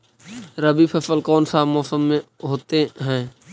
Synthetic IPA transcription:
ɾɐbiːpʰɐsəlkɔːnsaːbmɔːsəmːẽɦoːt̪eɦɛ̃ː

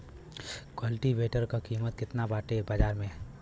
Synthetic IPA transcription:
kwəlʈiʋeːʈəɾkakiːmət̪̚kɪt̪nabaːʈebaːd͡ʒaːɾmẽ

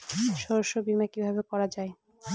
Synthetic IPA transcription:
ʃɔɾoʃːobimakibʱabekɔɾad͡ʑae

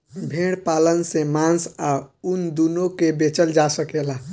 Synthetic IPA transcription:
bʱeɽpalənsemãnsaund̪unokebet͡ʃəld͡ʒasəkela

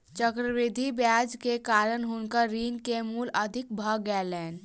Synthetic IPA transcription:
t͡ʃəkɾəʋɪd̪ʱibjaːd͡ʒkekaːɾənɦʊnkəɾiːnkemuːləd̪ʱɪk̚bʱəɡɛːlɛːn

